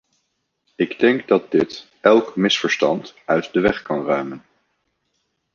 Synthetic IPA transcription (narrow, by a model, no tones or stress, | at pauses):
ɪɡdɛŋɡdɑt̚dɪt | ʔɛlˠkmɪsfəɹstɑ̰ntœɥtdəʋɛχkɑnrœɥmən